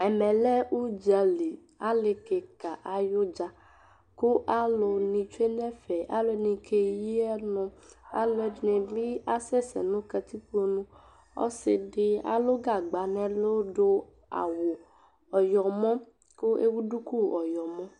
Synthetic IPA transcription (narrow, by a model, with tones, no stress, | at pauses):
ɛ˨mɛ̃˨lɛ˦u˦d͡ʒa˨li˨ | a˦le˨ke˨ka˨ʔa˨jo˦d͡ʒa˨ | ko˦ʔa˦lo˨nĩ˨t͡ʃe˦nɛ̃˦fɛ˨a̰˦lo˨nĩ˨kʰe˨ji˦ɛ˦nʊ̃˨a̰˦lɛ˦nɛ̃˨bi˦a˦sɛ˦sɛ̰˨nũ˦ka˨t̪i˦ɸo˦nũ˦ | ɔ̰˦sɪ̰˨ɖɪ˦a̰˨lo˦ɡa˨ɡ͡ba˨nɛ̃˨lo˦ɖo˦ | a̰˨wo˨ | ɔ˨jɔ˨mɔ̃˦ | ko˦ḛ˦wu˦ɖu˦ku˦ɔ˨jɔ˨mɔ̃˦